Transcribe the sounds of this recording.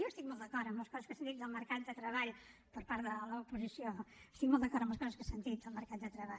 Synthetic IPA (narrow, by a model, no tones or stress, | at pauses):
oəst̪ik̚mɔlˠd̪əkɔɾt̪əmləskɔzəskəsənt̪it̪̚d̪əlˠməɾkat̪̚d̪ət̪ɾəβaʎpəɾpaɾt̪ðələupuzisiost̪ik̚mɔlˠd̪əkɔɾtəmbləskɔzəskəsənt̪it̪̚d̪əlˠməɾkat̪d̪ət̪ɾəβa